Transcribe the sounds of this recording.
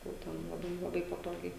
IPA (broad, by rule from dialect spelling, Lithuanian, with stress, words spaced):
jɛʊ ˈtʲɛn lˠɐˈbɐɪ lˠɐˈbɐɪ pɐˈtoːɡʲɛɪ